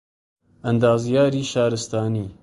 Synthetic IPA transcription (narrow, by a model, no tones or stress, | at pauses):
ʔɐnd̪ɑːzjɑːɾiːʃɑːɾɨst̪ɑːniː